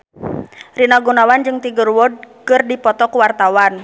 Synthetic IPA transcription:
rinaɡunawand͡ʒɨŋt̪iɡərwɔd̚kɨrdipɔt̪ɔkuwart̪awan

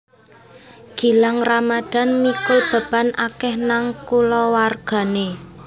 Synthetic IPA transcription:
ɡ̥i̤laŋramad̪̥a̤nmikʊlb̥a̤b̥a̤nʔakɛhnaŋkulɔwarɡ̥a̤ne

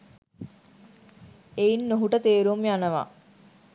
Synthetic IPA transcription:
einːoɦuʈət̪eːɾumijanəʋa̰

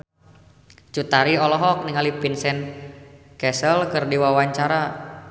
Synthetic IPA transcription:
t͡ʃut̪aɾiɔlɔɦɔk̚niŋalipinsɛn | kɛsəlkərdiwawaɲt͡ʃaɾa

